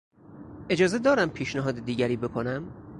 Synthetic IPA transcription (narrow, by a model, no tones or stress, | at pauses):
ʔe̞d͡ʒɒːzed̪ɒːɾæmpʰiːʃnæɦɒːd̪ed̪iːɟæɾiːbe̞kʰonæm